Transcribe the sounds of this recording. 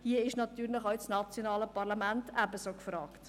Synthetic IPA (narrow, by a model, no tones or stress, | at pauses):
hiəɪʃnɑtyːɾlɪχɔɥt͡snɑt͡sjonɑːləpɑʁlɑmæntæbəsokfɾɑːkt